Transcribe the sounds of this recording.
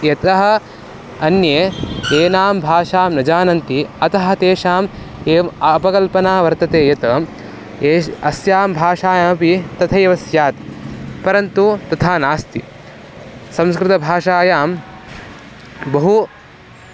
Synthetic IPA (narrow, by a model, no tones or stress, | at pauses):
jɐt̪ɐɦɐ̆ | ɐnjeːeːnaːmbʱaːʂaːmnɐd͡ʒaːnɐnt̪iɐt̪ɐɦɐ̆t̪eːʂaːm | eːmpɐkɐlpɐnaːʋɐɾt̪ɐt̪eːjɐt̪ɐːm | eːɐsjaːmbʱaːʂaːjamɐpit̪ɐt̪ʰɐːʋɐsjaːt̪pɐɾɐnt̪ut̪ɐt̪ʰaːnaːst̪ḭ | sɐ̃mskɾɪt̪ɐbʱaːʂaːjaːm | bɐɦu